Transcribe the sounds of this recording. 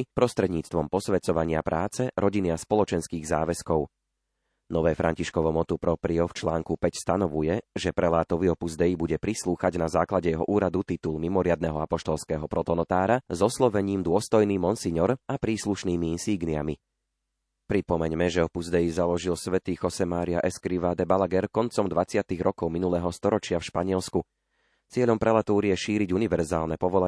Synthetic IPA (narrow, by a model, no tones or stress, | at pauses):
pɾɔst̪ɾɛd̪ɲiːt͡st̪ʋɔmpɔsʋɛt͡sɔʋaɲɪapɾʔaːt͡sɛɾɔɟiniaspɔlɔt͡ʃɛnskiːɣzaːʋɛskɔʊ | nɔʋɛːfɾʔa̰ɲciʃkɔʋɔmɔt̪upɾɔpɾiɔft͡ʃlaːŋkupɛcst̪anɔʋujɛʒɛpɾɛlaːt̪ɔʋiɔpuzd̪ɛjibuɟɛpɾisluːxaɟnazaːklaɟɛjɛɦɔʔuːɾad̪ut̪it̪ulmimɔɾɪad̪nɛɦɔapɔʃt̪ɔlˠskɛːɦɔpɾɔt̪ɔnɔt̪aːɾazɔslɔʋɛɲiːmd̪ʊɔst̪ɔjniːmɔnsiɲɔɾapɾiːsluʃniːmiinsiɡnia̰mi | pɾipɔmɛɲmɛʒɛɔpuzd̪ɛjizalɔʒilsʋɛt̪iːxɔsɛmaːɾia̰ʔɛskɾiʋad̪ɛbalaɡɛɾkɔnt͡sɔmd̪ʋat͡sɪat̪iɣɾɔkɔʊminulɛɦɔst̪ɔɾɔt͡ʃɪafʃpaɲɪɛlsku | t͡sɪɛʎɔmpɾɛlat̪uːɾiɛʃiːɾiɟuniʋɛɾzaːlnɛpɔʋɔla